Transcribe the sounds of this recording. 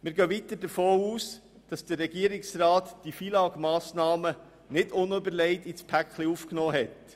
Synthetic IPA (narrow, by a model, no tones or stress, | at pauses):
mɪːɾɡœʋit̪əɾdəɾfoːuːs | d̥ɑsd̥əɾɛɡiəɾɪksɾaːtd̥ifiːlɑːɡmɑːsnɑːmə | nɪdʊnybəɾlɛɪtit͡spʰækχliufknɔːɦɛt